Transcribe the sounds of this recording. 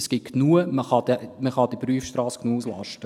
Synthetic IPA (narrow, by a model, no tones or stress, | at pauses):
sɡ̥ɪt̚knuːəməχɑd̥̪ɛməχɑd̥̪ipryəfʃtɾɑːsknuəuslɑ̰ʃtə